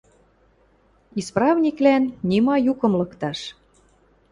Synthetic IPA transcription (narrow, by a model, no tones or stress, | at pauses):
isprɑvnʲiklænːʲimɑjukɤ̆mlɤ̆kt̪ɑʃ